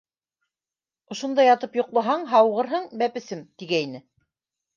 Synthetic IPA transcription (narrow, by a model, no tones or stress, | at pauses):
ŏʃŏnd̪ɑjɑt̪ɤpjŏqlˠɤ̆ɦɑɴɦɑwʁɤ̆ɾɦɤɴbæpɘ̆sɘmt̪iɡæinɘ